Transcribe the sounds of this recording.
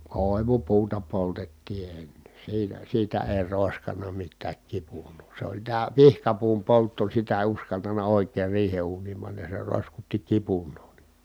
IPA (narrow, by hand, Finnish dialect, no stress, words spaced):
koˑi̯ʋupuːtɑ poltetːiː enːe siːnæ siːtæ eˑi̯ roˑeskɑnˑɑ mitːæːk kipunˑoː se olʲ tæː pihkɑpuːm poltːo sitæ eˑi̯ uskɑltɑnɑ oˑikeːr riːhe uːniːm pɑnːɑj jɑ se roˑi̯skutːi kipunˑoː ni